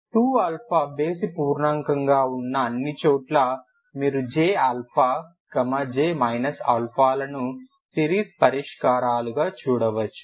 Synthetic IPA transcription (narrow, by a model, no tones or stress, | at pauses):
ʈuːɐlpʰaːbe̞ːsipuːɾɳɐŋkɐŋɡaːunːɐːnːit͡ʃoːʈlɐ | miːɾud͡ʒeːɐlpʰaː | kɐmɐd͡ʒeːmɐjnɐsɐlpʰaːlɐnu | siːɾiːspɐɾiʂkaːɾaːluɡaːt͡ʃuːɽɐʋɐt͡ʃːu̥